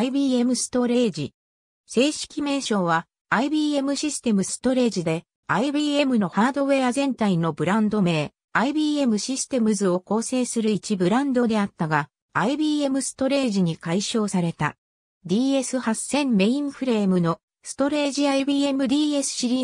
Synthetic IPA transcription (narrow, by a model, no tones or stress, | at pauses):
ibʲiːe̞mɯ̟sɨ̥t̪o̞ɾe̞ːd͡ʑi | se̞ːɕi̥kʲime̞ːɕo̞ːβaː | ibiːe̞mɯ̟ɕisɨ̥t̪e̞mɯ̟sɨ̥t̪o̞ɾe̞ːʑid̪e̞ | aibiːe̞mɯ̟no̞haːd̪o̞βe̞ːazẽ̞nt̪aino̞bɯ̟ɾãnd̪o̞me̞ː | aibʲiːe̞mɯ̟ɕisɨ̥t̪e̞mɯ̟zɨo̞ko̞ːse̞ːsɨɾɯ̟it͡ɕibɯ̟ɾãnd̪o̞d̪e̞at̪ːaɡaː | ibʲiːe̞mɯ̟sɨ̥t̪o̞ɾe̞ːʑiɲ̟ikaiɕo̞ːsaɾe̞t̪a̰ | d̪ʲiːe̞sɨhasẽ̞mme̞ĩɰ̃ɸɯ̟ɾe̞ːmɯ̟no̞ | sɨ̥t̪o̞ɾe̞ːʑiaibʲiːe̞mɯ̟d̪ʲiːesɨ̥ɕiɾʲiː